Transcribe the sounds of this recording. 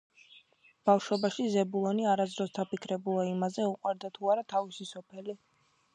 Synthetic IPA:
b̥afʃwɔbaʃizɛbulˠɔniaɾazd̪ɾɔsd̪apikʰɾɛbulˠaimazɛuqʼwaɾd̪at̪ʰuaɾat̪ʰavisisɔpʰɛli

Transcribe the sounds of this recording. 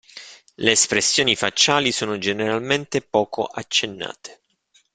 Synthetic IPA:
leːspɾesːjoːnifa̰t͡ʃːaːlisoːnod͡ʒeneɾalment̪epɔːko̰ʔat͡ʃːenːa̰ːt̪e̥

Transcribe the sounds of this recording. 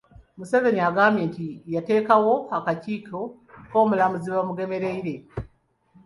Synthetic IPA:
museve̞ɲaɡameːntijate̞ːkawo̞hakaciːko | koːmulamuziβamuɡe̞me̞ɾe̞iɾe̞

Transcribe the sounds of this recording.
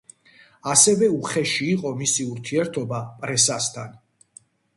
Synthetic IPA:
asɛvɛuχɛʃiːqʼɔmisiuɾt̪ʰiɛɾt̪ʰɔbapʼɾɛsast̪ʰan

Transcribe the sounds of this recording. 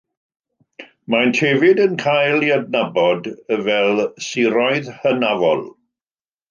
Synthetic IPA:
mantʰevɪdənkʰajlˠiəd̚nabɔdəvɛlˠsiɾɔɨðhənavɔlˠ

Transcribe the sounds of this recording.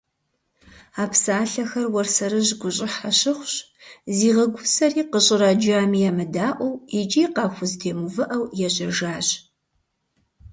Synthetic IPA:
aːpsaːɬɐxɐrwɔrsɐɾɨʑɡʷʊɕʼɪħaɕɪχʷɕ | ziːʁɐɡʷʊsɐriːqəɕʼɪɾad͡ʒaːmijamɨdaːʔʷɔwid͡ʒʼiːqɑːxʷʊztʰeːmuvɨʔɐwjɛɕʼɐʒaːɕ

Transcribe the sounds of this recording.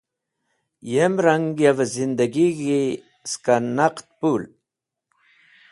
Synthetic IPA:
jemɾaŋɡjavazind̪aɡiɡi | skannːaqt̪̚pul

